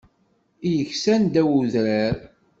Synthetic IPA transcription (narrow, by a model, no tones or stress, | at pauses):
ijəçsænd̪æwuðɾaɾ